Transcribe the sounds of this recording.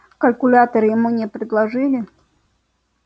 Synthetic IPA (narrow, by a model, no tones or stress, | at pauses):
kɐlʲkʊlʲat̪ɐɾɨjɪmunʲɛpɾʲɪd̪lˠaʐɨlʲɪ